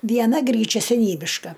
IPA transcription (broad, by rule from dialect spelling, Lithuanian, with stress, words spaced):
ˈʋʲiɛnɐ ˈɡrʲiːt͡ʃʲɛ sʲɛˈnʲiːbʲɪʃkɐ